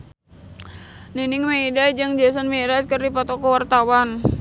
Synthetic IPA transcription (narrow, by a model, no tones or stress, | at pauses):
ninɪŋmeidaid͡ʒəŋd͡ʒas̬anmeɾaskərdipɔt̪ɔkəwart̪awan